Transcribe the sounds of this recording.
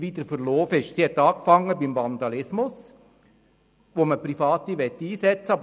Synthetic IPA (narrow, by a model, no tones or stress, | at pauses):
ʋid̪əɾfəɾloːfɪʃsihɛt̪ːɑːkfɑŋːəbɪmvɑnd̪ɑlɪsmʊs | ʋoməpɾifɑːt̪iʋɛt̪ːiːsɛt͡səɑb